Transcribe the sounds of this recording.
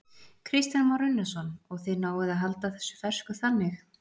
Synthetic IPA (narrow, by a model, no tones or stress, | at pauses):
kʰɾist̪janmɔwɾɪnːɛsɔnɔɣθɛðnaːwɪðaðɦalt̪aθɛsːʏ̥fɛr̥skʏθanːɪx